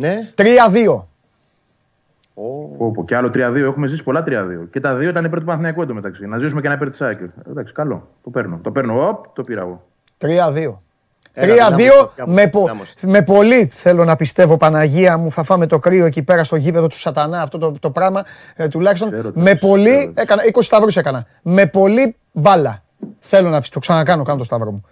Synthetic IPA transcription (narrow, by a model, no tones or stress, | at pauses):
nt̪ɾiɐðio̞ | opoceɐlot̪ɾiɐðio̞exume̞zisi̥po̞lɐt̪ɾiɐðḭoce̞t̪ɐðio̞it̪ɐnipeɾt̪upɐnθinɐkued̪omet̪ɐksinɐzisumecenɐpeɾt̪isɐced̪ɐksi̥kɐlo̞̰ | t̪o̞peɾnot̪o̞pe̞ɾnoop̚t̪opiɾɐ̰ɣo̰ | t̪ɾiɐðio | ɾiɐðio̞mepome̞po̞liθe̞lo̞nɐpist̪e̞vo̞pɐnɐʝiɐmuθɐfɐmet̪o̞kɾio̞e̞cipe̞ɾɐst̪o̞ʝipe̞ðo̞t̪u̥sɐt̪ɐnɐːft̪o̞t̪ot̪o̞pɾɐɣmɐ | t̪ulɐçist̪onme̞po̞liekɐnɐikosi̥st̪ɐvɾuse̞kɐnɐ | me̞po̞li | vɐlɐ | θe̞lo̞nɐt̪oksɐnɐkɐno̞kɐnot̪st̪ɐvɾomu